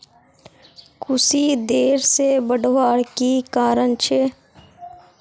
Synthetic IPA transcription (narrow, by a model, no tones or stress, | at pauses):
kʰʊsid̪eːɾsebəɖʋaːɽkikaːɾəɳt͡ʃʰeː